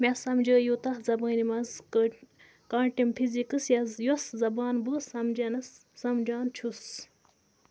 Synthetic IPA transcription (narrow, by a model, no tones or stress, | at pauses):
mesɐmd͡ʒəːjut̪ɐhzɐbəːnimɐz | kaːɳʈimpʰizikɨsjɐzjoszɐbaːnbəːsɐmd͡ʒɐnɐsː | ɐmd͡ʒaːnt͡ʃʰus